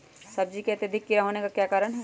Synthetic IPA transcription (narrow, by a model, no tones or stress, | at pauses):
sɐb̚d͡ʒikeɐt̪jɐd̪ʱɪkːɪɾaɦoːnekakjaːkaːɾəɽɦɛː